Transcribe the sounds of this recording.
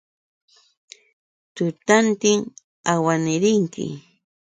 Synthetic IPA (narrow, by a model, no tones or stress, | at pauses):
t̪ʊt̪ant̪ɪŋ | awanɪɾɪŋkɪ̰